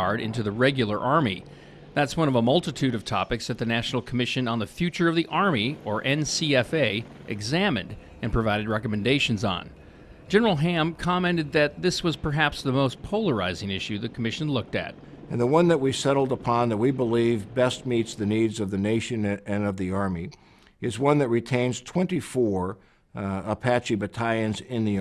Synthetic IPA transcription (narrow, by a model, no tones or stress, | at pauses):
ɑɹɾɪ̰̃ntʉðɨɹɛɡjl̩ˠə˞ʔɑɹmi | ðætswʌ̃ñʌvəmʌlˠtɨtʰʉɾʌv̥tʰɑ̰pɨksðɨt̪̚ðɨnæʃn̩l̩ˠkʰəmɪʃɨ̃nə̃nðɨfjʉt͡ʃə˞ʌvðiʔɑɹmiə˞ʔɛ̃nsiɛfeɪ | ʔɨ̰ɡzæ̃mɨ̰̃nd | ɨ̃npʰɹ̥ɨvaɪɾɨd̚ɹɛkɨmɨ̃ndeɪʃɨ̃n̩zn̩̥ | d͡ʒ̥ɛnə˞l̩ˠɦæ̃mkʰɑmɛ̃ntɨd̪̚ðɨt̪̚ðɪswʌz̥pʰə˞ɦæpsðəmoʊspʰoʊlˠə˞a̰ɪzɪ̃ŋɪʃʉðɨkʰəmɪʃɨ̃n̩lʊk̚tɨ̰t̚ | ɨ̃nðəwʌ̃nðɨt̚wisɛɾl̩ˠdəpʰɑ̃nðət̚wibəlivbɛst̚mitsðɨnidzʌvðɨneɪʃɨ̃nɨ̃nʌvðiɑɹmi | ɨzwʌ̃nðɨt̚ɹitʰẽɪ̃nz̥tʰw̥ɛ̃ntifɔɹ | əpʰæt͡ʃibɨtʰaɪɨ̃nzɪ̃nði